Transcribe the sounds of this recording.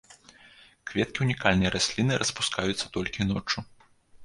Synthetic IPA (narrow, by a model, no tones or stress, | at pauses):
kvʲɛt̪kʲiunʲikalʲnɐjɾasʲlʲinɨɾʔɐspu̥skʰajut̪sːɐ̥t̪ɔlʲkʲinɔt͡ʂu